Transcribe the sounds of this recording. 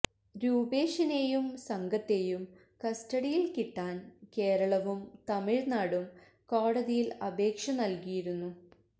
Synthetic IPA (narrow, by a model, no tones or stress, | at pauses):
ɾuːbeːʂɐne̞ːjumsɐŋɡɐt̪ːe̞jum | kɐstɐɽijilkiʈːaːnke̞ːɾɐɭɐʋumt̪ɐmiɻnaːɽum | koːɽɐðijilɐbe̞ːkʂɐnɐlkijiɾunːu